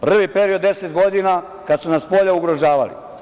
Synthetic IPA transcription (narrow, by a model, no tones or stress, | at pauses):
pr̩ʋipe̞ɾiod̪ːe̞set̪ɡo̞d̪ina | kad̪sunaspo̞ʎauɡɾo̞ʒaːʋa̰lḭ